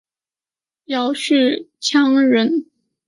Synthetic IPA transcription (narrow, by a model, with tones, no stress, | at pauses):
jɑ˨˩ʊʂ̩˥˩t͡ɕʰjɑ˥ŋɻə˧˥n